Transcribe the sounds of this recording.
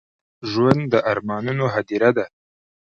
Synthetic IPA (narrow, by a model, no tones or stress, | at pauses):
ʒwand̪d̪əʔaɾmɑnunoɦad̪iɾad̪a